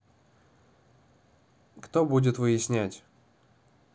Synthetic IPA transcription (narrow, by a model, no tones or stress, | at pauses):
kt̪obudʲɪt̪vɨjɪsʲnʲætʲ